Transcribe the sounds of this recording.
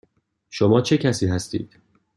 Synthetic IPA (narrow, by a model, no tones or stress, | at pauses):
ʃomɒːt͡ʃʰe̞cʰæsiːɦæst̪ḭːd̪̥